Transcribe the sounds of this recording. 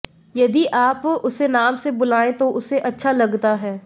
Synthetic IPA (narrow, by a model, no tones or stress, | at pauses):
jɐd̪iʔaːpʊsenaːmsebʊlaːẽt̪oʔʊseʔɐtːʃʰalɐɡt̪aɦɛː